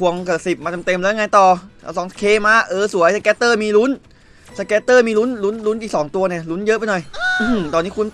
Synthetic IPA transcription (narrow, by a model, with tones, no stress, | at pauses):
u˧əŋka˧˩si˨˩p̚maː˧t͡ɕa˧mt̪e˧mlŋa˧jt̪ɔː˨˩a˧˦˩sɔː˩˦ŋ˧kʰeː˧˥maː˧˥˩ʔɤː˧su˨˩˦jsa˧kɛː˦˥t̪ːɤː˧˩miː˧lu˦˥n | sa˧kɛː˦˥t̪ːɤː˧˩miː˧lu˦˥nlu˦˥nlu˦˥nʔi˨˩k̚sɔː˩˦ŋt̪u˧ɐni˧˩ɐlu˦˥njɤ˦˥ʔpa˧jnɔ˨˩jʔt̪ɔː˧nːiː˦˥kʰu˧n